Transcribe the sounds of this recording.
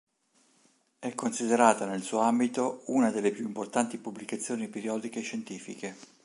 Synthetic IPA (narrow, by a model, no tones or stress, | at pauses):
ɛkːonsid̪eɾaːt̪anelsuːoambit̪ounad̪elːepjuimport̪ant̪ipubːlikat̪sːjoːnipeɾjɔːd̪ikeːt͡ʃːent̪iːfike